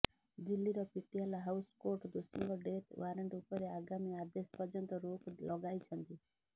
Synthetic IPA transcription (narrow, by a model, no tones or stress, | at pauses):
d̪ilːiɾɔpiʈialɔɦawskoɾʈd̪usiŋɡɔɖet̪waɾeɳʈupɔɾeaɡamiad̪espɔd͡ʒɔnt̪ɔɾoklɔɡajt͡ʃʰɔnt̪i